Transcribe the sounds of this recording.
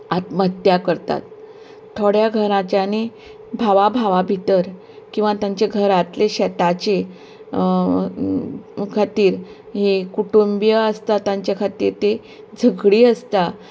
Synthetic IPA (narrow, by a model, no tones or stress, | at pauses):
at̪məɦət̪jakəɾt̪a̰t̪ | t̪ʰːoɽjaɡʱəɾãt͡ɕjane | bʱaʋabʱaʋabʱit̪əɾ | kĩw̃ʋat̪jãɲt͡ɕeɡʱəɾat̪leɕɛt̪at͡ɕe | kʰat̪iːɾ | ɦekuʈumbijəəst̪at̪ãɲt͡ɕjakʰat̪iːɾt̪e | d͡zʱəɡɽiːəst̪a